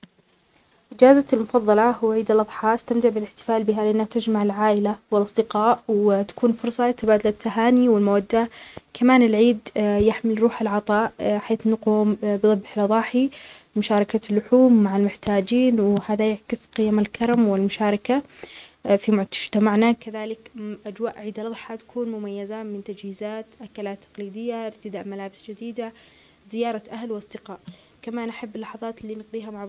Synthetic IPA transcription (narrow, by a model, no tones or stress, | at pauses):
ʔɪd͡ʒaːzalmʊfɑðˤːɑlɑhʊwaʕiːd̪alʔɑðˤħɑːʔɪst̪amt̪ɪʕbɪlɪħt̪ɪ̥faːlbɪɦalɪʔanːaht̪ad͡ʒmaʕɪlʕaːʔɪlawɪlʔɑsˤd̪ɪqɑːʔwɪt̪ḁkuːnfʊɾˤsˤɑɪt̪abaːd̪alat̪ːaɦaːniwɪlmawad̪ːakʰamaːnɪlʕiːd̪jaħmɪlɾˤuːħɪlʕɑt̪ˤɑːʔħeːθnaquːmbðˤɑbːħlʔɑðˤɑːħi | mʊʃaːɾˤɑkalːʊħuːmːaʕalmʊħt̪aːd͡ʒiːnwɪhaːðajaʕkɪsqɪjːamalkɑɾˤɑmwɪlmʊʃaːɾˤɑka | fimʊt̪ad͡ʒt̪amaʕnakaðaːlɪkʔad͡ʒwaːʔʕiːd̪alðˤħɑt̪ḁkʰuːnmʊmajːazamɪnt̪ad͡ʒhiːzaːt̪ʔakalaːt̪ːɑ̥qliːd̪ɪjːaʔɪɾt̪ɪd̪aːʔmalaːbɪsd͡ʒɪd̪iːd̪a | zɪjɑːɾˤɑʔahlwɑsˤd̪ɪqɑːʔ | kamaːnʔaħabːɪlːɑħɑðˤɑːt̪lːiːnɪɡd̪ˤiːɦamʊʕ